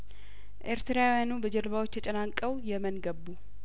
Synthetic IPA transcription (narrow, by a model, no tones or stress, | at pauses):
ʔeɾt̪ʰɾawjanubəd͡ʒɛɾβawo̞t͡ʃːjʰət͡ʃʼɛnaŋkʼːəwjɛmənɡəbːu